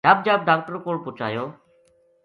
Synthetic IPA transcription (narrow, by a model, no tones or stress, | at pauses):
aːb̚d͡ʒaːb̚ɖaːk̚ʈəɾkoːɽpʊt͡ʃa̰ːjoː